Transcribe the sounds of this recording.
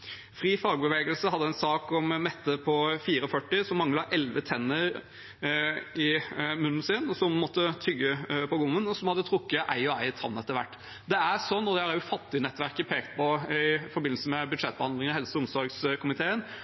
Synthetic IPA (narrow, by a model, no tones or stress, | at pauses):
fɾiːfɑːɡbəʋeːɡəlsəhɑd̪ːəæɛnsɑːkɔmmɛt̪ːəpʰɔfiːɾəɔfœʈːɪsɔmːɑŋlɑʔɛlʋət̪ʰɛnːəɾ | ɪmʉnːən̩sɪnɔsɔmmɔt̪ːət̪ʰʏɡːəpʰɔɡʊmːənɔsɔmhɑd̪ːət̪ʰɾʊkːəʔæɪɔæɪt̪ʰɑ̰nːɛt̪ːəɾʋæ̰ʈː | d̪ɛæɾsɔnːɔd̪ɛhɑɾjʊfɑt̪ːɪnɛt̪ːʋæɾkəpʰeːkt̪̚pʰɔɪfɔɾbɪnl̩səmɛbʉd̪ʂɛt̪̚ːbəhɑnd̪lɪŋəhɛlsəʊmsɔɾɡskʰʊmɪt̪ʰeːən